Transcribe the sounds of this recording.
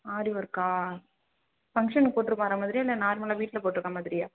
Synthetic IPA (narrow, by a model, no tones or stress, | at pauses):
aːɾiʋɐɾkːaː | fɐŋkʂɐnpoːʈːɯɾɯkːãːɾɐmaːðɪɾijaːɪlːɐnaːɾmɐlaːʋiːʈːɪlɐpoːʈːɯɾɯkːamaːðɪɾɪjaː